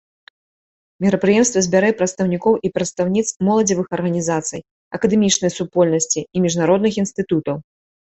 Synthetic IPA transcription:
mʲiɾɐpɾɨjɛmst̪vɐzʲbʲaɾajɛpɾɐt̪st̪ɐwnʲikɔwʔipɾɐt̪st̪awnʲit̪smɔlˠɐd͡zʲivɨxɐrɣɐnʲizat̪sɨ̰j | ɐkɐd̪ɛmʲit͡ʂnɐjsupɔlʲnɐsʲt͡sʲiːmʲiʐnaɾɔd̪nɨxinst̪ɨt̪ut̪ɐw

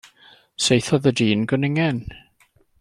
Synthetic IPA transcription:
sejθɔðədiːnɡənɪŋɛn

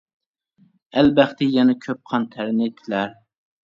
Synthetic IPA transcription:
ælbæχt̪ɪjɛnɛkʲʰøp̚qʰɑnt̪ʰæɾɪnet̪ʰːɪlæɾ

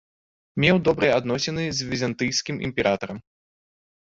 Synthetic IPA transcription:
mʲɛwd̪ɔbɾɨjɛad̪nɔsʲɛnɨzʲvʲizʲant̪ɨjskʲimʔḭmʲpʲɛɾat̪ɐɾɐm

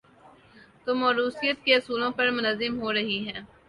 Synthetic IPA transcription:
t̪oːmɔːɾuːsijət̪keɐsuːlõpɐɾmʊnəzːɪmɦoːɾɐɦiɦɛː

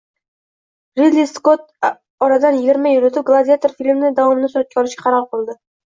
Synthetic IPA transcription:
ɾid̪lʲiskot̪̚ | ɒɾɑd̪ɑnjɪɡʲiɾmæjyɾɪt̪ʰup̚ɡlˠad̪ijat̪oɾfilʲmnɪd̪ɑwɑmnɪsɾæt̪̚kʲːɒlˠɪʃkʲɛ̥qʰɑɾɑʁ̚bolˠd̪ɨ

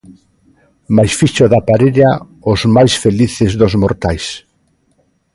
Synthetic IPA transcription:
majsfiʃoðapaɾeʎa | ozmajsfeliθezðozmoɾt̪ajs

